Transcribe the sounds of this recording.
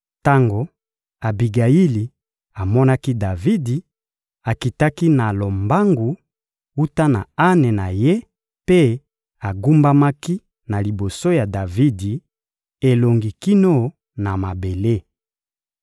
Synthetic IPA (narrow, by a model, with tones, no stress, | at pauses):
ta˦ŋɡo˨ | a˨bi˨ɡa˨ji˦li˨ | a˨mɔ˦na˦ki˦da˨vi˦di˨ | a˨ki˨ta˦ki˦na˨lo˨mba˦ŋɡu˨ | u˦ta˦na˨a˦ne˨na˨je˦ | pe˦ | a˨ɡu˦mba˦ma˦ki˦ | na˨li˨bo˨so˦ja˨da˨vi˦di˨ | e˨lo˨ŋɡi˨ki˦no˦ | na˨ma˨be˨le˦